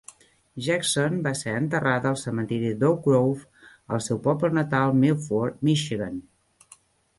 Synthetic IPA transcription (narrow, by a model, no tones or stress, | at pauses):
ʒaksonbaseənt̪əraðəəlˠsəmənt̪iɾid̪owkɾowf | əlˠsɛwpɔplənət̪alˠmilfɔɾmiʃiɣən